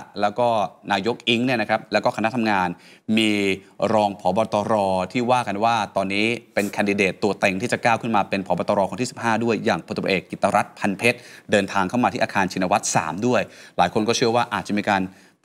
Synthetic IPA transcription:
lɛː˦˥wkɔː˥˩naː˧jo˦˥k̚ʔi˦˥ŋni˥˩ɐna˦kɾa˦˥p̚lɛː˦˥wkɔː˥˩kʰa˧na˦˥t̪ʰa˧mŋaː˧nmiː˧ | ɾɔː˧ŋpʰɔː˩˦bɔː˧t̪ɔː˧ɾɔː˧t̪ʰiː˥˩waː˥˩ka˧nwaː˥˩t̪ɔː˧nːiː˦˥pe˧nkʰa˧ndi˧deː˨˩t̪ːu˨˧ɐt̪e˨˩ŋt̪ʰiː˥˩t͡ɕa˨˩kaː˥˩wkʰɯ˥˩nmaː˧pe˧npʰɔː˩˦bɔː˧t̪ɔː˧ɾɔː˧kɔː˧˦t̪ʰiː˥˩si˨˩p̚ɦaː˥˩du˥˩əjːaː˨˩ŋpʰo˧˩t̪ːpʰːʔeː˨˩kːi˨˩t̪ːa˧ɾʔa˦˥t̪̚pʰa˧npʰe˦˥t̪̚dɤː˧nt̪ʰaː˧ŋkʰa˥˩wma˧iː˥˩ʔaː˧kʰaː˧nt͡ɕʰi˧na˧wa˦˥t̪̚sa̰ː˩˦mdu˥˩əjlaː˩˦jkʰo˧nkɔː˥˩t͡ɕʰɯ˥˩ɐwaː˥˩ʔaː˨˩t̪̚t͡ɕa˨miː˧kaː˧n

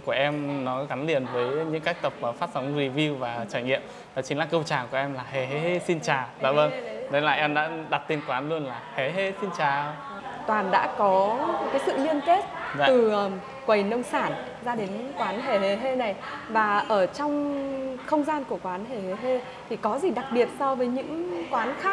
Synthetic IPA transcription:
ku˧˩əʔɛ˧mnɔ˨˦ɣa˨˦nlḭ˧˩˨ənvəː˨˦jɲɨ̰˧˥ŋka˦˥k̚t̪ə˨˩p̚vaː˨˩faː˦˥t̚fa˨˦wŋ͡mzi˧vi˧wvaː˨˩t͡ɕaː˧˩jŋḭ˧˨əm | vaː˨˩t͡ɕï˨˦ŋ̟laː˨˩kə˧wt͡ɕaː˨˩ku˧˩əʔɛ˧mlaː˨˩ɦe˧˩ɦe˧he˧si˧nt͡ɕaː˨˩za̰ː˧˨və˧nɗə˨˦la̰ː˨˩ʔɛ˧mɗa̰ː˧˥ɗa˨˩t̪i˧nkwaː˨˧˦nlu˧ənlaː˨˩he˨˩ɦe˧si˧nt͡ɕaː˨˩ | t̪waː˨˩nɗa̰ː˧˥kɔ˨˦kaː˨˦jsɨ̰˧˨li˧ənt̪e˦˥t̪̚ɨ˨˩˨ | kwə˨˩jnə˧wŋ͡msaː˧˩n | zaː˧ɗe˨˦nkwaː˨˦nɦe˨˧˩ɦe˧˩ɦe˧na˨˩j | vaː˨˩ʔəː˧˩t͡ɕɔ˧wŋ͡mxə˧wŋ͡mzaː˧nku˧˩əkwaː˨˦nɦe˨˩he˧˩ɦe˧ | t̪ʰi˨˩kɔ˨˦zi˨˩ɗa˨˩k̚ɓi˨˩ət̚sɔ˧vəː˨˦jɲɨ̰˧˥ŋkwaː˨˦nxaː˦˥k̚

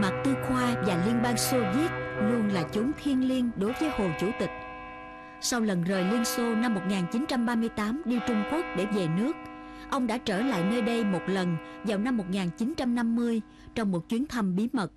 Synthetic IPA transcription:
ma˨˩t̚t̪ɨ˧xwaː˧vaː˨˩li˧ənɓaː˧ŋso˧vi˦˥t̚lu˧ənlaː˨˩t͡ɕʊ˨˦ŋ͡mt̪ʰi˧ənli˧ənɗo˨˦jvəː˨˦jho˨˩t͡ɕu˧˩t̪ï˨˩k̟̚ | sa˧wlə˨˩nzəː˨˩jlɨ˧ənso˧na˧mːo˨˩t̚ŋaː˨˩nt͡ɕi˨˦nt͡ɕa˧mɓaː˧mɨ˧əjt̪aː˨˦mɗi˧t͡ɕʊ˧ŋ͡mku˦˥ək̚ɗe˧˩ve˨˩nɨ˦˥ək̚ | ʔə˧wŋ͡mɗa̰ː˧˥t͡ɕəː˧˩la̰ː˧˨jnəː˧jɗə˧jmo˨˩t̚lə˨˩nvaː˨˩wna˧mːo˨˩t̚ŋaː˨˩nt͡ɕi˨˦nt͡ɕa˧mna˧mːɨ˧əj | t͡ɕɔ˧wŋ͡mmo˨˩t̚t͡ɕwi˨˦ənt̪ʰə˧mɓi˨˦mə˨˩t̚

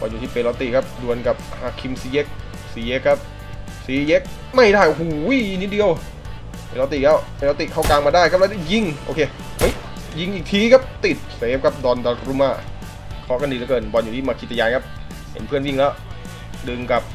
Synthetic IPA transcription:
bɔ̰˧njuː˨˩iː˥˩pe˧nlɔ˧wt̪i˨˩kʰa˦˥p̚du˧ənka˨˩p̚haː˧˩kʰi˧msiː˨˦je˦˥k̚ | siː˨˦je˦˥kʰːa˦˥p̚ | siː˨˦je˦˥k̚ | ma˥˩jdaː˥˩jo˧˩ɦuː˨˩ji˨˩nːi˦˥di˧əw | e˧nlɔ˧wt̪i˨˩lɛː˦˥˩wpe˧nlɔ˧wt̪i˨˩kʰa˥˩wkaː˧ŋmaː˧daː˥˩jkʰa˥p̚lɛ˦˥ɔ˥˩ji˥˩ŋʔo̰˧kʰeː˧ | ma˦˥˩ | ji˧˩ŋʔiː˨˩k̚t̪ʰiː˧˦kʰa˦˥p̚t̪i˨˩t̪̚seː˨˦m̚kʰa˦˥p̚dɔː˧ndɔː˧ɾu˦˥˦maː˥˩ | kʰɔː˧˥ka˥˩ndiː˧˩lɛ˦˥kɤː˧nbɔ˧njuː˨˩iː˥˩maː˧kʰt̪ʰːa˧jaː˧nkʰa˦˥p̚ | hḛ˨˦npʰɯ˥˩ənji˥˩ŋlɛː˦˥w | dɯ˧ŋka˨˩p̚

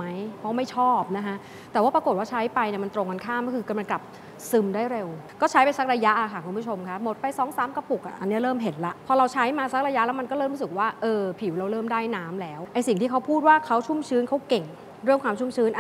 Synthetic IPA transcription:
a˦˥jpʰɔ˦˥ma˥˩jt͡ɕʰɔː˥˩p̚na˦˥kʰa˦˥ʔ | t̪ɛː˨˩waː˥˩pɾa˧ko˨˩t̚waː˥˩t͡ɕʰa˦˥jpa˧jni˨˩ma˧nt̪ɾo˧ŋka˧nkʰaː˥˩mkɔː˥˩kʰɯː˧ka˧˩ma˧nkla˨˩p̚ | sɯ˧mdaː˥˩jɾe˧w | kɔː˥˩t͡ɕʰa˦˥jpa˧jsa˦˥k̚ɾa˧ja˦˥ʔla˨˩kʰa˧˥˩kʰu˧nmpʰu˦˥t͡ɕʰo˧mkʰa˦˥mo˨˩t̪̚pa˧jsɔː˦˥ŋsaː˦˥mka˧pu˨˩k̚ʔa̰˨˩ʔa̰˧nːi˦˥ɐɾɤː˥˩mɦe˩˦nla˦˥ʔpʰɔː˧ɾa˧wt͡ɕʰa˦˥jmaː˧sa˦˥k̚ɾa˧ja˦˥ʔlɛ˦˥wma˧nkɔː˥˩ɾɤː˥˩mɾu˦˥sɯ˨˩k̚waː˥˩ʔɤː˧pʰi˨˩˦wɾa˧wɾɤː˥˩mdaː˥˩jnaː˦˥mlɛː˦˥wʔa˧jsi˨˩ŋt̪ʰiː˥˩kʰa˦˥wpʰuː˥˩t̪̚waː˥˩kʰa˦˥wt͡ɕʰu˥˩mt͡ɕʰɯː˦˥nkʰa˦˥wke˨˩ŋ | ɾɯ˥˩əŋkʰwaː˧mt͡ɕʰu˥˩mt͡ɕʰɯː˦˥nʔ

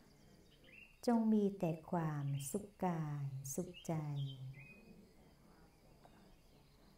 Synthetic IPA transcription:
t͡ɕo˧ŋmiː˧t̪ɛː˨˩kʰwaː˧msu˨˩kːaː˧jsu˨˩k̚t͡ɕa˧j

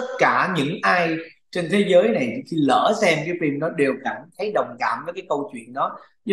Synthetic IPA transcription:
ə˦˥t̚kaː˧˩ɲɨ̰˧˥ŋʔaː˧j | t͡ɕe˧nt̪ʰe˨˦zəː˨˦jna˨˩jxi˧lə̰ː˧˩sɛ˧mkaː˨˦jfi˧mɗɔ˨˦ɗe˨˩wka˧˩ŋnt̪ʰə˨˦jɗə˨˩wŋ͡mkaː˧˩mvəː˨˦jkaː˨˦jkə˧wt͡ɕwḭ˧˨ənɗɔ˨˦

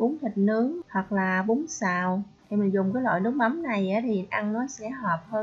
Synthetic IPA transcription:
ɓʊ˨˦ŋt̪ʰï˨˩k̚nɨ˨˦əŋh̪wa˨˩k̚laː˨˩ɓʊ˨˦ŋsaː˨˩wt̪ʰi˨˩mi˨˩ŋ̟zʊ˨˩ŋ͡mkaː˨˦jlwa̰ː˧˨jnɨ˨˦ək̚ma˨˦mna˨˩jʔaː˨˦t̪ʰi˨˩ʔa˧ŋnɔ˨˦sɛ̰˧˥ɦɔː˨˩p̚həː˧n

